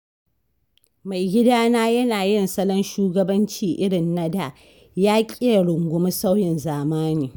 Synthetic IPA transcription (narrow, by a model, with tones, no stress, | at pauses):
ma˨jɡʲɪ˦daː˦naː˦jɐ˦naː˨jɪ˦˨nsɐ˦lɐ˦nʃuː˦ɡɐ˦bɐ˦nt͡ʃiː˦ʔɪ˦ɽɪ˨nːɐ˦da˨ | jaː˦kʲʼi˦a˨ɽʊ˨ŋɡʷʊ˦m˦sa˦wjɪ˨nzaː˨maː˦niː˨